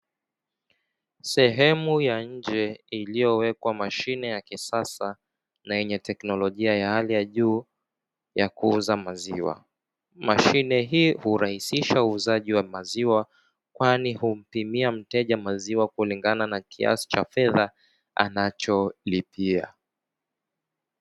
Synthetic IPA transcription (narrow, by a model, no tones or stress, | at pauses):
sɛɦɛmujaɲ̩d͡ʒɛilijɔwɛkwamaʃinɛjakisasa | najɛɲɛtɛknɔlɔʄiajahalijaʄuː | jakuuzamaziwa̰ | maʃinɛɦiːhuɾahisiʃauːzaʄiwamaziwa | kwanihum̩pimiam̩tɛʄamaziwakuliŋɡananakʰia̰si̥t͡ʃafɛða | a̰nat͡ʃɔlipia̰